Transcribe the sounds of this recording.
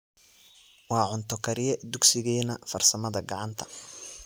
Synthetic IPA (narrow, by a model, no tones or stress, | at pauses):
wɑːʕʊnt̪ʰɔkʰɐɾɪjɛd̪ʊɡsɪɣɛːnɐfɐrsɐmɐðɐɡɑʕɑnt̪ʰɐ̥